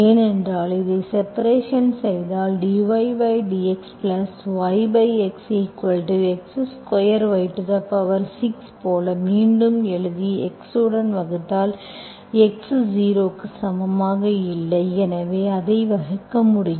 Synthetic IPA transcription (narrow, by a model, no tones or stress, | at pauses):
eːnɛndraːlɪðɐɪsɛpɐɾeːʂɐnsɛjðaːlɖiːʋɐɪʋɐɪɖiːɛksplɐsʋɐɪbɐɪɛksɐɪkːɐɻʈɯɛksskɐjɐɾʋɐɪʈːɯðɐpːɐʋɐɾsɪkspoːlɐmiːɳɖɯmɛɭɯðiɛksɯɽɐnʋɐɣɯt̪ːaːl | ɛksd͡ʒiːɾoːkːɯsɐmɐmaːɣɐɪlːɐɪɛnɐʋeːɐðɐɪʋɐɣɐkːɐmːʊɽɪj